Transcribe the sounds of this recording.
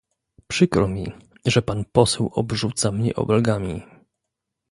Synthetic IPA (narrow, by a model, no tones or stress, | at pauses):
pʂɘkɾɔmʲi | ʐɛpanpɔsɛwɔbʐut̪samɲɛ̰ʔɔ̰bɛlɡamʲi